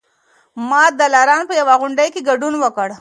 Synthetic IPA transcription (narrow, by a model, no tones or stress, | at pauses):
mɑd̪alɑɾɑnpəjawaɣʊɳɖəjkeɡaɖunwəkəɽ